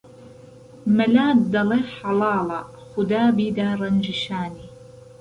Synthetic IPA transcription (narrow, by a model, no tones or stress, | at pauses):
malaːd̪ɑleħɑlɑːlɑ | xʊd̪aːbiːd̪aːɾˤɑnd͡ʒɪʃaːni